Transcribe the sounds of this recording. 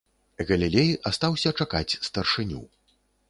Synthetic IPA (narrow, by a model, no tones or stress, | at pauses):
ɣɐlʲilʲejʔast̪awsʲɐt͡ʂakat͡sʲst̪ɐrʂɨnʲṵ